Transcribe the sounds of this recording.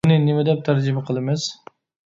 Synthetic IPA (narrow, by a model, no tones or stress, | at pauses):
nɪnɪmɪd̪ɛp̚t̪ʰaɾd͡ʒɪmaqʰɨlˠɪmɪz̥